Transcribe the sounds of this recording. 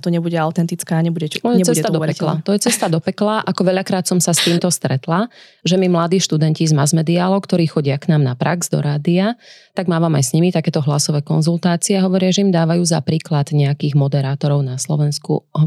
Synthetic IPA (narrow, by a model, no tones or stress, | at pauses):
t̪ɔɲɛbuɟɛaʊt̪ɛnt̪it͡skaːɲɛbuɟɛɔjɛt͡sɛsad̪ɔpɛkla̰t̪ɔjɛt͡sɛst̪ad̪ɔpɛklaʔakɔʋɛʎakɾaːt̪sɔmsast̪iːmt̪ɔst̪ɾɛt̪la | ʒɛmimlad̪iːʃt̪ud̪ɛncizmazmɛd̪ialɔkt̪ɔɾiːxɔɟɪaknaːmnapɾaɡz̥d̪ɔ̰ɾaːd̪iat̪aɡmaːʋamajsɲimit̪akɛːt̪ɔɦlasɔʋɛːkɔnzulˠt̪aːt͡siɛaɦɔʋɔɾɪaʒɛimd̪aːʋajuːzapɾiːklad̪ɲɛakiːɣmɔd̪ɛɾaːt̪ɔɾɔʊnaslɔ̰ʋɛnskṵɦɔ